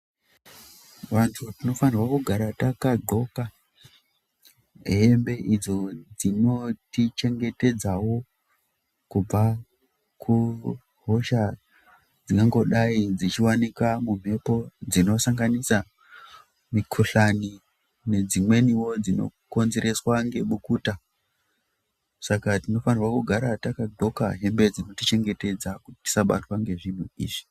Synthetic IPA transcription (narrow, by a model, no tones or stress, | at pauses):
ʋantʰutino̞fanirwakuɡʱaɾatakaɡʱo̞ka | ɦembe̞ʔid͡zo̞d͡zino̞tit͡ʃe̞ŋɡe̞te̞d͡zawo̞ | kub͡va | kʰu | ɦo̞ʃa | d͡zikaŋɡo̞ɗaid͡zit͡ʃiwanikamum̤e̞po̞d͡zino̞saŋɡanisa | mikʰuɬani | ne̞d͡zimwe̞niwo̞d͡zino̰ko̞nze̞ɾe̞swaŋɡe̞ɓukuːta | sakatino̞fanirwakuɡʱaɾatakadʱo̞ka̰ɦe̞mbe̞d͡zino̞tit͡ʃe̞ŋɡe̞te̞d͡zakutiti̥saɓa̰twaŋɡe̞ʐin̤uḭːʐi̥